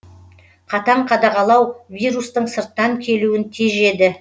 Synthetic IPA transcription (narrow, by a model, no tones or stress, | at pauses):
qʰɑt̪ɑɴqʰɑd̪ɑʁɑlˠɑwviɾust̪əɴsəɾt̪ːɑŋkʲʰe̞luɪnt̪ʰeʒe̞d̪ɪ